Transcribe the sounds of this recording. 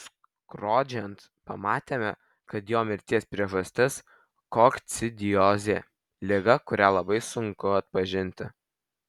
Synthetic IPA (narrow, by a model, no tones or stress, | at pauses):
kɾoːd͡ʒʲɛnt̪ | pɐmɑːt̪ʲeːmʲɛ | kɐt̪joːmʲɪɾʲt̪ʲiɛspʲɾʲiɛʒɐsʲt̪ʲɪs | koːkt̪sʲɪd̪ʲɪjoːzʲeː | lʲɪɡɐkʊɾʲælˠɐbɐɪsʊŋkʊɐt̪̚pɐʒʲɪnʲt̪ʲɪ